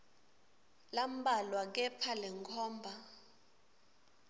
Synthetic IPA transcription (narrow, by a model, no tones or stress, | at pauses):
lam̩balwak̬ɛpʰalɛŋkʰɔːmbʱa